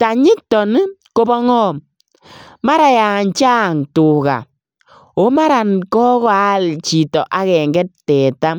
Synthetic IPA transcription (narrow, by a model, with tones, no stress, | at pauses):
ta˨ɲɪ˦tːɔ˨nɪ˦ko˦bɔ˦ŋɔ˦m | ma˦ɾa˨ja˨ɲt͡ʃa˦˨ŋtʊ˨ka̰˨ | o˦ma˦ɾa˨nkɔ˦kɔ˦a˦lt͡ʃi˨tɔ˨ʔa˦kɛ˨ŋɡɛ˦ttɛ˨ta˦m